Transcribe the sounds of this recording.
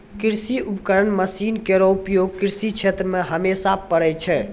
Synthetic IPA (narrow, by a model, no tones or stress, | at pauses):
kiɾsiupkəɾənməsinkeɾɔupjoɡkiɾsit͡ʃʰet̪ɾəmẽɦəmesapːəɽɛt͡ʃʰɛ